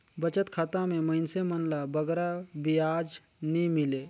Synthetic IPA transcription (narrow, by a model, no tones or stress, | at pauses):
bət͡ʃət̪kʰat̪ameməɪnsemənlabəɡɾabijad͡ʒ | nimile